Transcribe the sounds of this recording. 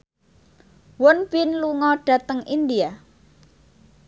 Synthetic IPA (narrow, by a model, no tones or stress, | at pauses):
wʊnpinluŋɔɖ̥a̤t̪əŋind̪ia